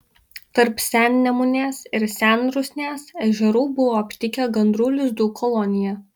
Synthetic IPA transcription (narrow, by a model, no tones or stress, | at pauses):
t̪ɐɾpsʲæˑnʲnʲɛmʊnʲeːsɪɾsʲænɾʊsʲnʲeːsɛʒʲɛɾuːbʊʋoːɐpʲt̪ʲɪkʲɛɡɐnd̪ɾuːlʲɪzd̪uːkʰɔlˠɔnʲɪjɛ